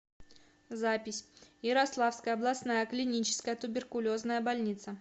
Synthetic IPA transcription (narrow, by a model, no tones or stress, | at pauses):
zapʲɪsʲjɪɾɐslˠafskəjəɐblˠɐsnajəklʲɪnʲit͡ɕɪ̥skəjət̪ʊbʲɪrkʊlʲoznəjəbɐlʲnʲit̪sə